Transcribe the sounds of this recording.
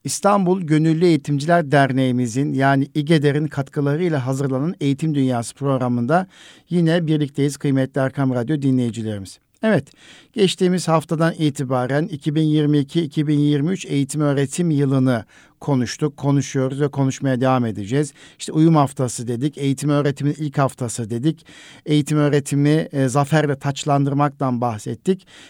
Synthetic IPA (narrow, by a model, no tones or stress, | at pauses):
ist̪ʰambulˠɟø̞nylʲːyejit̪ʰimd͡ʒilʲæɾd̪æɾne̞jimizinjaːniiɟe̞d̪e̞ɾinkʰat̪kʰɯlˠaɾɯilʲˠaɦazɯɾlˠanane̞jit̪ʰimd̪ynjaːsɯ̥pʰɾo̞ɡɾamɯnd̪ajinɛbiɾlʲic̚t̪ʰe̞jiz̥kʰɯjmɛt̪lʲiaɾkʰamɾad̪jo̞d̪inlʲe̞jid͡ʒilʲe̞ɾimiz̥ | ɛvɛt̪ɟ̥ɛt͡ʃt̪iːmizhaft̪ʰad̪aniːt̪ʰibaːɾænicʰibinjiɾmiːcʰiːcʰibinjiɾmiyt͡ʃe̞jit̪ʰimø̞ːɾe̞t̪ʰimjɯlˠɯnɯ | kʰo̞nuʃt̪ʰukʰːo̞nuʃujo̞ɾuzvɛkʰo̞nuʃmajad̪e̞vame̞d̪id͡ʒɛːziʃt̪ʰɛujumhaft̪ʰasɯd̪e̞d̪ice̞jit̪ʰimø̞ːɾe̞t̪ʰiminilʲchaft̪ʰasɯd̪e̞d̪ice̞jit̪ʰimø̞ːɾe̞t̪ʰimizafæɾlʲɛt̪ʰat͡ʃlˠand̪ɯɾmak̚t̪ʰanbaxsɛt̪ːic